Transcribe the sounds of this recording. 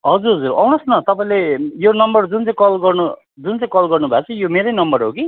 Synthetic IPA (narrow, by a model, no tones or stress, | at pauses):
ɦʌd͡zuɾɦʌd͡zurʌwnʌsnʌt̪ʌpãĩlejonʌmbʌrd͡zunt͡sãj̃kʌlɡʌrnu | d͡zunt͡sãj̃kʌlɡʌrnubʱat͡sʰʌjomeɾʌjnʌmbʌrɦoki